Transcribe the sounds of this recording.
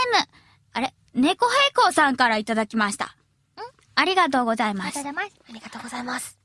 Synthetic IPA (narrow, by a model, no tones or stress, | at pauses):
emɯ̟ | aɾe | ne̞ko̞ɦeiko̞ːsãŋkaɾait̪ad̪akʲimaɕi̥t̪a̰ | aɾʲiɡat̪̬o̞ːɡo̞zaimas | aɾiɡat̪oːɡozaimasɨ̥